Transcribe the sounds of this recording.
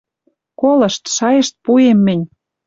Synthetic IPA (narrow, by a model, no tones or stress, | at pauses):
kolɤ̆ʃt̪ʃɑjə̆ʃt̪̚puemːɘ̆nʲ